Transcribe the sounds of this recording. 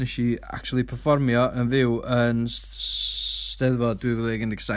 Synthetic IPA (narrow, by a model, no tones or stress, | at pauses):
ɛʃia̰k̚t͡ʃʰualˠipʰərfɔrmjɔʔənvɪwən | tɛðvɔdwivəðɛɡəndɪɡ̥sa